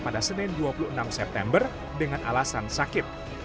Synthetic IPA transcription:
padasənɪnduapuluənamsɛp̚t̪ɛmbər | dəŋanʔalasansakɪt̪̚

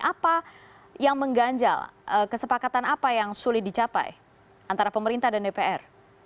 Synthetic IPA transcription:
ʔapa | jaŋməŋɡaɲd͡ʒa̰ləkəsəpakat̪anapajaŋsulɪt̪̚dit͡ʃapa̰j | ʔant̪aɾapəməɾint̪ahdandepeɛr

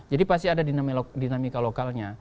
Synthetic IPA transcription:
d͡ʒadipas̬t̪iadadinamdinamikalokalɲa

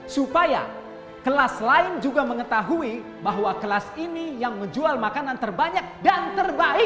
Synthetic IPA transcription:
supaja̰ | kəlaslaɪnd͡ʒuɡaməŋət̪aɦui | baɦwakəlasinijaŋməɲd͡ʒualmakanant̪ərbaɲak̚dant̪ərbaɪ

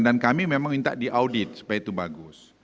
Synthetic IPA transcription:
dankamimẽmãŋmint̪a̰ʔdiʔawdit̪̚su̥pajait̪ubaɡʊs

